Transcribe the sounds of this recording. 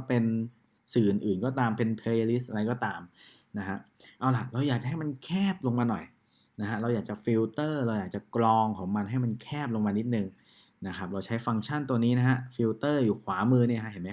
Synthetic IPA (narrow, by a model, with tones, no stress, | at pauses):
pe˧n | sɯː˨˩nʔɯː˨˩nkɔː˥˩t̪aː˧mpe˧npʰe˧i˧li˦˥sʔa˧ɾa˧jkɔː˥˩t̪aː˧m | na˦˥kʰa˦˥ʔʔaː˧wla˨˩ɾa˧wjaː˨˩k̚t͡ɕa˨˩ɦa˥˩jma˧nkʰɛː˥˩p̚lo˧ŋmaː˧nɔ˨˩j | na˦˥ɦa˦˥ʔɾa˧wjaː˨˩k̚t͡ɕa˨˩fi˧wt̪ɤː˥˩ɾa˧wjaː˨˩k̚t͡ɕa˨˩klɔː˧ŋkʰɔː˩˦ŋma˧nɦa˥˩jma˧nkʰɛː˥˩p̚lo˧ŋmaː˧ni˦˥t̪̚nɯ˧ŋ | na˦˥kʰa˦˥p̚ɾa˧wt͡ɕʰa˦˥jfa˧ŋt͡ɕʰa˥˩nt̪u˧niː˦˥na˦˥ɦa˦˥ʔfi˧wt̪ɤː˥˩juː˨˩kʰwaː˩˦mɯː˧ni˥˩ɐkʰa˦˥ɦe˩˦nma˦